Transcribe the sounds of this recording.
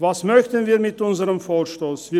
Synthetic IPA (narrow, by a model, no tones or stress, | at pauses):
vasmœçtn̩viːmɪtʊnzəʁəmfoːʃtoːsv̥iː